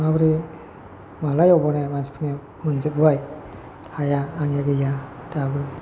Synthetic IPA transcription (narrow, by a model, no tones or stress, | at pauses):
abɾi | malajɔbɔnemansi̥pʰɯne | mɯnzɯp̚baj | hajaːŋjaɡɯjadabɯ